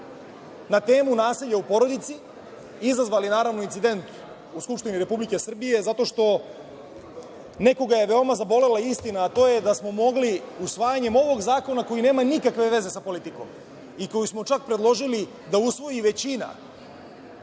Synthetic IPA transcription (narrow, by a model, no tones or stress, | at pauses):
nat̪e̞ːmunaːseʎaupo̞ɾo̞d̪it̪si | izazʋalinaːɾaʋno̞int̪id̪e̞nt̪ | uskupʂt̪iniɾe̞publike̞sr̩bije̞zat̪o̞ʃt̪o̞ | ne̞ko̞ɡaje̞ʋe̞o̞mazabo̞le̞laist̪inaːt̪o̞je̞d̪asmo̞mo̞ɡliusʋaːjaɲe̞mo̞ʋo̞ɡzaːko̞nako̞jine̞ːmanikakʋe̞ʋe̞ze̞sapo̞lit̪iko̞̰m | iko̞jusmo̞t͡ʃak̚pɾed̪lˠo̞ʒili | d̪ausʋo̞jiʋe̞t͡ɕina̰